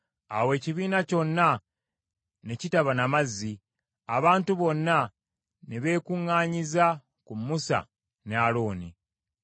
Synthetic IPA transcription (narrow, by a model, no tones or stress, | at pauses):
awe̞ːciβiːnaco̞nːa | ne̞citaβanamazːi | aβaːntuβo̞nːa | neβe̞ːkuŋːaːɲiza | kumusa̰ | nealo̞ːni